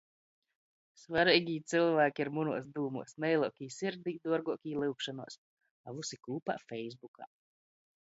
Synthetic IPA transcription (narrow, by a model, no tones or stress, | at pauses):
svaɾiːɡʲiːt̪sɨlˠvæːkʲiiɾmunuɔsd̪uːmuɔsnɛjlˠuɔkʲiːsiɾd̪iːd̪uɔɾɡuɔkʲiːlˠɨwkʃanuɔs | avusikˠuːpa̰fɛjzbuka̰ː